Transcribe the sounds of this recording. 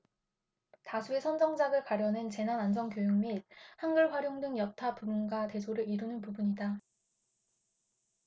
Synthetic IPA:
tasʰue̞sʰʌnd͡ʑʌŋd͡ʑaɡɯɭkaɾjʌnent͡ɕe̞nanansʰʌŋkjojoŋmit̚hanɡɯɭɸwaɾjoŋdɯŋjʌtʰapumunɡwate̞sʰoɾɯɾiɾunɯnpubuɲida

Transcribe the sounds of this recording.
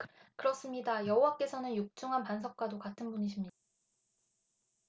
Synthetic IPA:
kɯɾʌs͈ɯmɲidajʌɦowak͈e̞sʰʌnɯnjok̚t͡ɕ͈uŋɦanpansʰʌk̚k͈wadokatʰɯnbuɲiɕʰimɲid

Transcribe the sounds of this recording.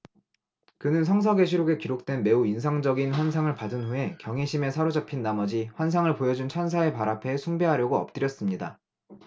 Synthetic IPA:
kɯnɯnsʰʌŋs̬ʰʌɡe̞ɕʰiɾoɡe̞kiɾok̚t͈wenme̞uins̬ʰaŋd͡ʑʌɡinɸwans̬ʰaŋɯɭpadɯnɸue̞kjʌŋɦeɕʰime̞sʰaɾod͡ʑapʰinːamʌd͡ʑiɸwans̬ʰaŋɯɭpojʌd͡ʑunt͡ɕʰans̬ʰae̞paɾapʰe̞sʰuŋbe̞ɦaɾjʌɡoʌp̚t͈ɯɾjʌs͈ɯmɲida

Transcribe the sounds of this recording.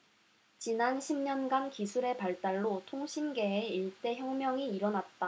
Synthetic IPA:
t͡ɕinanɕʰimɲʌnɡankisʰuɾe̞paɭt͈aɭːotʰoŋɕʰinɡe̞ːiɭt͈e̞çjʌŋmjʌŋiːɾʌnat̚t͈a

